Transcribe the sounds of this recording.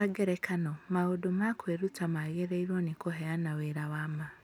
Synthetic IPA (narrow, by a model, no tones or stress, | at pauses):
aɡeɾɛkʰanomaodomakweɾutamaɣeɾeiɾwonikoɦɛanaweɾawama